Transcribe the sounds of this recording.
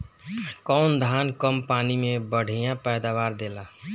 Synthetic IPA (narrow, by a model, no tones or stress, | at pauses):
kɔʊnd̪ʱaːnkəmpaːnimebəɽ̤ijãpɛd̪aʋaɾd̪ela